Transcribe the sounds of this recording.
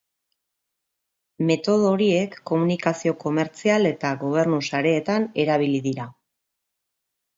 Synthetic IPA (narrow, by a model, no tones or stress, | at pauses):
me̞t̪o̞ð̞oɾie̞kːo̞munikasio̞ko̞me̞ɾt͡siale̞t̪aɣo̞β̞e̞ɾnusaɾe̞ːt̪ane̞ɾaβ̞iliðiɾa